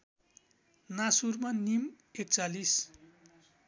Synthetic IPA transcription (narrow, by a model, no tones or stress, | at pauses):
nasurmanim | ek̚t͡salis